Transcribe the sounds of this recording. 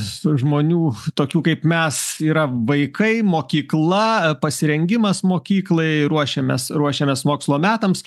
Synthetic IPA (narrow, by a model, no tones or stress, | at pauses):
sʊʒmoːnʲuːt̪oːkʲuːkɐɪpmʲɛsiːɾɐʋɐɪkɐɪmoːkʲiːklˠɐpɐsʲɪɾʲɛŋʲɡʲɪmɐsmoːkʲiːklˠɐɪɾuɔʃʲɛːmʲɛ̰sɾuɔʃʲeːmʲɛːsmoːkslˠoːmʲæːt̪ɐms